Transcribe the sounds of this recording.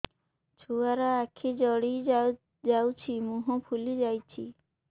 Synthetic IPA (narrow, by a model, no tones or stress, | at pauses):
t͡ʃʰuaɾaakʰid͡ʒɔɽij | d͡ʒawt͡ʃʰimuɦɔpʰulid͡ʒajt͡ʃʰi